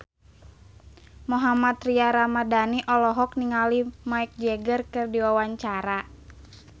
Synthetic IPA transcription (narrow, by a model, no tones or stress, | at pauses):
moɦamat̪riaɾamadaniʔɔlɔɦɔk̚niŋalimaik̚d͡ʒɛɡərkɨrdiwawaɲt͡ʃaɾa